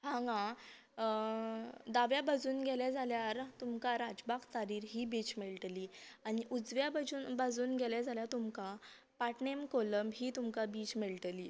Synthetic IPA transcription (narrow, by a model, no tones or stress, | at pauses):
ɦãŋɡã | d̪aʋjabad͡zuːnɡʱɛlad͡zaljaɾt̪umkaɾad͡ʑbakt͡saɾiːɾɦiːbiːt͡ɕmeɭʈ̪liːaɽ̃iʔud͡zʋjabad͡zuːnbad͡zuːnɡʱɛljad͡zaljat̪umka | paʈnemkoləmbɦiːt̪umkabiːt͡ɕmeɭʈliː